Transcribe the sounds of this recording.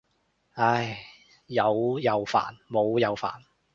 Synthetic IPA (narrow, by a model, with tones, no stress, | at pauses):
a˥j | jɐ˨˧wjɐ˨˧wfa̰ː˨˩nmo˨˧wjɐ˨˧wfa̰ː˨˩n